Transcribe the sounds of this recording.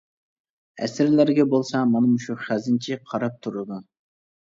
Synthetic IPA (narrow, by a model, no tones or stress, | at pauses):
ɛ̰sɪɾlæɾɡʲɛbolˠsɑmɑnɨmʊʃuχæzɪnt͡ʃʰiqʰɑɾɑp̚t̪ʰuɾɨd̪u